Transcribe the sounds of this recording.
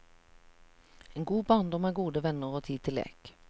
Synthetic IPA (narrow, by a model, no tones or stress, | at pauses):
eːnɡuːbɑːʁnd̪ɔmæːɡuːd̪əʋɛnəʁoːt̪ʰiːt̪ʰɪlḛːk